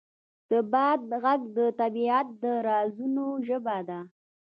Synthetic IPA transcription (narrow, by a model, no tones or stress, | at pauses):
d̪̥əbɑd̪̚ɣaɡd̪ət̪abiat̪̚d̪əɾɑzunoʒəbad̪a